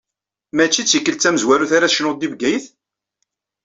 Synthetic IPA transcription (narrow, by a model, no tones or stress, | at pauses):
mæt͡ʃːit͡sːjəkːəlt͡sːæməzwæɾuθaɾaʃnʊd̪ibɡæjəθ